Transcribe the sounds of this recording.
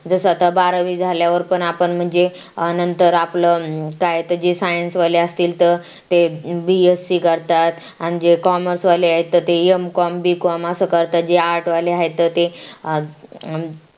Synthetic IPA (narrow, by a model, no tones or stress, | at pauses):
d͡zəsəat̪əbaɾəʋiːd͡zʱaljaʋəɾpəɳapəɳm̤əɳd͡ze | ənənt̪əɾapləkaɦet̪əd͡ʑesajənsʋaleəst̪iːlt̪əɾ | t̪ebiesːiːkəɾt̪at̪ | añid͡ʑekɔməɾsʋaleaɦet̪ːət̪eemkɔmbikɔməsəːkəɾt̪at̪̚d͡ʑeaɾʈʋaleaɦet̪ːət̪e